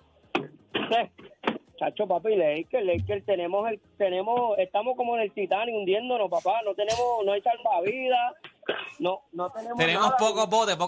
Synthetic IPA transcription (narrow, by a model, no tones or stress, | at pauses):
set͡ʃa̰t͡ʃo̞papileikelejkelt̪e̞nẽ̞moselt̪enẽ̞moeht̪amohko̞moenelt̪it̪aniund̪jend̪onopapanot̪enẽmonoajsalbaβiða | nonot̪enemt̪enemospokobot̪epo